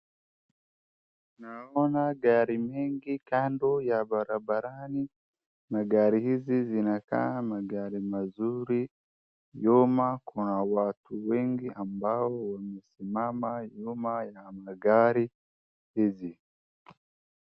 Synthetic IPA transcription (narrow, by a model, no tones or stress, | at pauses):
naβonaɡaɾimeːŋɡikaːndojaβaɾabaɾani | maɡaːɾihizizinaka̰maɡaːɾimazuɾi | jomakunawaːtuweːŋɡiambahowamusimamajomajamaɡaɾi | hizi